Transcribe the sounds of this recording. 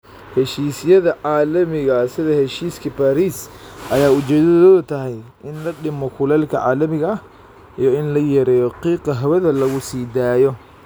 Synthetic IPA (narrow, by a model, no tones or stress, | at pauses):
hɛʃiːsjɐðɐʕaːlɐmɪɣɐsɪðɐhɛʃiːskʰɐbaːɾiːsʔɐjaːʊt͡ʃɛːd̪ɐðɔðɐt̪ʰɐɦɛjʔɪnlɐɖɪmɔkʰʊlɛːlkʰɐʕa̰ːlɐmɪɣɐɐh | ijɔɪnlɐjɐɾɛːjɔqiːqɐɦɐwɐðɐlɐɣʊsiːd̪aːjɔ